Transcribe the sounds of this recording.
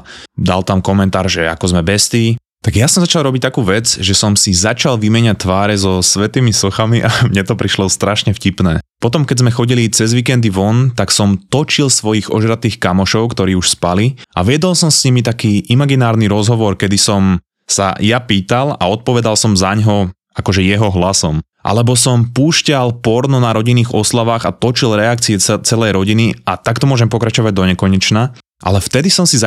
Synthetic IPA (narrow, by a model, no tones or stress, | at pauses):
d̪a̰lt̪amkɔmɛnt̪aːɾʒɛa̰kɔzmɛbɛst̪iː | t̪aɡjasɔmzat͡ʃalˠɾɔbic̚t̪akuːʋɛd͡zʒɛsɔmsizat͡ʃalʋimɛɲat̪ːʋaːɾɛzɔsʋɛt̪iːmisɔxamiʔamɲɛt̪ɔpɾiʃlɔst̪ɾaʃɲɛfcipnɛːpɔt̪ɔmkɛzmɛxɔɟilit͡sɛzʋiːkɛnd̪iʋɔnt̪aksɔmt̪ɔt͡ʃilsʋɔjiɣɔʒɾat̪iːxkamɔʃɔʊkt̪ɔɾiːuʃspaliʔa̰ʋɪɛd̪ɔlsɔmsɲimit̪akiːʔimaɡinaːɾniɾɔzɦɔʋɔɾkɛd̪isɔm | sa̰japiːt̪ala̰ɔt̪̚pɔʋɛd̪alˠsɔmzaɲɦɔ | akɔʒɛjɛɦɔɦlasɔm | ʔa̰lɛbɔsɔmpuːʃcalpɔɾnɔnaɾɔɟiniːɣɔslaʋaːɣat̪ɔt͡ʃilɾɛak̚t͡siɛt͡sɛlɛjɾɔɟiniʔat̪akt̪ɔmʊɔʒɛmpɔkɾat͡ʃɔʋaɟ̚d̪ɔɲɛkɔɲɛt͡ʃna | ʔa̰lɛft̪ɛd̪isɔmsiza